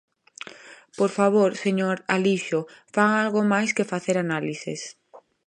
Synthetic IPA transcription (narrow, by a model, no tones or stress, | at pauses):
poɾfaβ̞oɾseɲoɾaliʃofaalɣomajskefaθeɾanalisɪ̰s